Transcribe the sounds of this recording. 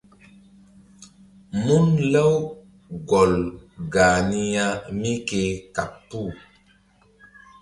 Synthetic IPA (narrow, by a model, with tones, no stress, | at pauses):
mu˦nlə˦w | ɡɔ˨lɡa˨ni˦ja˦mi˦ke˨ka˨pːu˦˨